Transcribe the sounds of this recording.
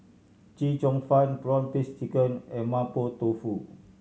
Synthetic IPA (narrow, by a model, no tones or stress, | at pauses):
t͡ʃit͡ʃɔŋfanpɾɔnpist̪ikənemapot̪ofu